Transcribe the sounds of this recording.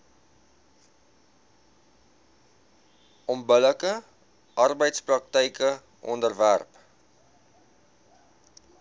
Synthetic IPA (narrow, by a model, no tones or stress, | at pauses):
ʔɔmbələkə | ʔɐrbəjtsprɐk̚təjkə | ʔɔ̰ndərværp